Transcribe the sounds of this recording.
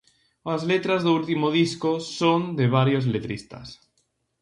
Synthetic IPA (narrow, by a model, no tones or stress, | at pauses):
azlet̪ɾazðoult̪imoð̞iskosond̪eβ̞aɾjozlet̪ɾist̪a̰s